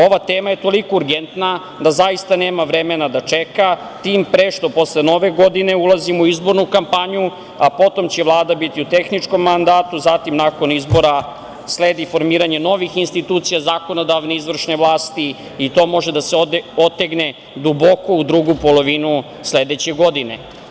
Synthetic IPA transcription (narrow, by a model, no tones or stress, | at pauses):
o̞ʋat̪eːmaje̞t̪o̞liko̞uɾɡent̪na | d̪azaist̪aneːmaʋɾe̞menad̪at͡ʃeka | t̪iːmpɾeʃt̪o̞po̞sleno̞ʋeɡo̞d̪ine̞ulˠazimuizbo̞ɾnukampaɲu | apo̞t̪o̞mt͡ɕe̞ʋlˠaːd̪abit̪iut̪e̞xnit͡ʂko̞mːand̪aːt̪uzat̪imnako̞nizbo̞ɾa | sleːd̪ifo̞ɾmiːɾaɲe̞no̞ʋixinst̪it̪uːt̪sijazaːko̞no̞d̪aʋneizʋr̩ʃneʋlˠaːst̪iː | t̪o̞ːmo̞ʒed̪aseot̪ːeɡne̞ | d̪ubo̞ko̞ud̪ɾuɡupo̞lˠo̞ʋinu | sled̪et͡ɕe̞ɡo̞d̪ine̞̰